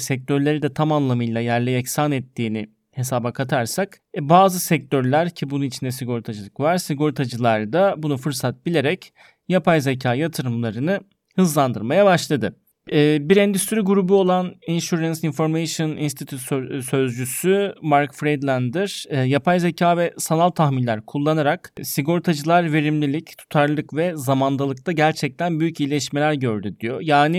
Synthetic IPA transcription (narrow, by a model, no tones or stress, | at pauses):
sɛc̚t̪ʰøɾlʲeɾid̪ɛt̪ʰamanlˠamɯjlˠajæɾlʲɛɛçsanɛt̪ʰːiːnɪ | he̞saːbakʰat̪ʰaɾsakbaːzɯsɛc̚t̪ʰøɾlʲæɾcʰibununit͡ʃʰind̪ɛsiɡo̞ɾit̪ʰad͡ʒɯlˠɯkvaɾsiɡo̞ɾit̪ʰad͡ʒɯlˠaɾd̪abunufɯɾsat̪̚b̥ilʲe̞ɾɛc | japʰajzecʰaːjat̪ʰɯɾɯmlˠaɾɯnɯ | hɯzlˠand̪ɯɾmajabaʃlˠad̪ɯ | ɛːbiɾɛnd̪yst̪ʰyɾyɡuɾubuo̞lˠaninʃuɾansinfo̞ɾmejʃonḭnst̪ʰit̪ʰyt̪søsøzd͡ʒysymaɾkfɾejd̪lʲˠænd̪iɾ̥japʰajzacʰaːvɛsanalˠt̪ʰaxminlʲæɾkʰulˠːanaɾaksiɡo̞ɾt̪ʰad͡ʒɯlˠaɾve̞ɾimlʲilʲict̪ʰu̥t̪ʰaɾlˠɯkvɛzamand̪ˠalˠɯk̚t̪ʰaɟæɾt͡ʃʰɛc̚t̪ʰænbyjycilʲɛʃmelʲæɾɟø̞ɾd̪yd̪ijojaːnɪ